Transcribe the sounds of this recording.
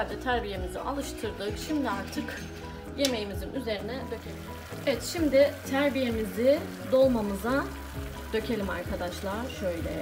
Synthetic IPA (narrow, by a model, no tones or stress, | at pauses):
alʲd͡ʒɛt̪ʰæɾbije̞mizḭʔalˠɯʃt̪ʰɯɾd̪ɯkʃimd̪iaɾt̪ʰɯk | je̞me̞jimizinyze̞ɾinɛd̪ø̞cʲʰelʲi | evɛt̪ʃimd̪ɪt̪ʰæɾbije̞mizɪ | d̪o̞lˠmamɯza | d̪̥ø̞cʰe̞lʲima̰ɾkʰad̪aʃlˠaːʃøjlʲɛ̰